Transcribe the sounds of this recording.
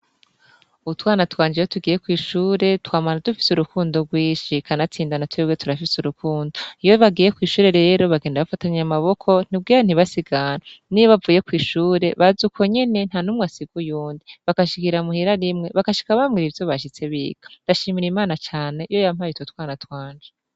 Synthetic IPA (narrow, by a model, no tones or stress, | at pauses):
utwaːnatwaːɲd͡ʒijotuɡiːje̞kwiːʃuːɾe̞twaːmanadufi̥suɾukuːndoɡwiːʃikʰanat͡siːndanatwewetuɾafisuɾukuːndoijoβaɡiːje̞kwiːʃuːɾe̞ɾe̞ːɾo̞βaɡeːndaβafataɲamaβo̞kʰo̞n̥ib̚ɡiːan̥iβasiɡananiβavuːje̞kwiːʃuːɾe̞βazukʰoɲe̞ne̞n̥hanumŋasiɡujuːndiβakaʃikiɾamuhiɾaɾimŋe̞βakaʃi̥kaβamɡiɾivjo̞βaʃ̬it͡se̞βḭːɡ̥ḁndaʃiːmiɾimaːnat͡ʃaːne̞ijo̞jamhajututwaːnatwaːɲd͡ʒe̥